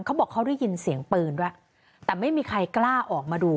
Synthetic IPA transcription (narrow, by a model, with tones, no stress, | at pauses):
ŋkʰwbɔː˨˩kʰːdji˧nsi˨˩˦əŋpɯː˧ndu˥˩a˨˩ | t̪ɛː˨˩ma˥˩jmiː˧kʰa˧jklaː˥˩ʔɔː˨˩k̚maː˧duː˧